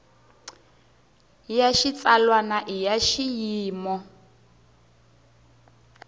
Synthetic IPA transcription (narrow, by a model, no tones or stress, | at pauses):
jaʃit͡salwanaʔijaʃijiːmɔ